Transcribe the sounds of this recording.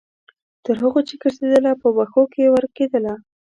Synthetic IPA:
t̪əɾɦəɣot͡ʃekəɾsed̪əlapəwaxokejewəɾked̪əla

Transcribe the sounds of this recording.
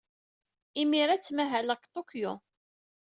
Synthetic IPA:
imiɾat͡sːmæɦæləkt̪ˤokjʊ

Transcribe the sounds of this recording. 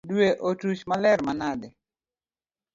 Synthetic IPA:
dweʔotut͡ʃmalɛɾmanadɛ

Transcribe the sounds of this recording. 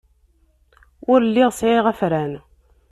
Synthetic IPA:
ʊɾlːiʁsʕiʁæfɾæn

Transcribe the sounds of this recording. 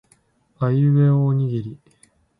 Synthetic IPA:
ajɯβeoːɲ̟iɡiɾʲi

